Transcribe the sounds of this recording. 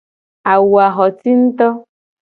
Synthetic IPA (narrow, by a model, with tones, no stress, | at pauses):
a˨wu˨a˨ɦɔ˨ti˦n̩˦t̪ɔ˦